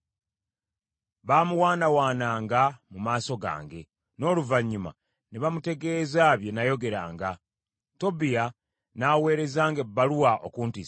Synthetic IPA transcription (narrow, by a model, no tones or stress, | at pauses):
βaːmuwaːnawaːnaːŋɡamumaːso̞ɡa̰ːŋɡe̞ | no̞ːluvaɲːuma̰ | neβamute̞ɡe̞ːzaβje̞najo̞ɡe̞ɾa̰ːŋɡa | to̞bija | nawe̞ːɾe̞zaːŋɡebːaluwaʔo̰kuːnti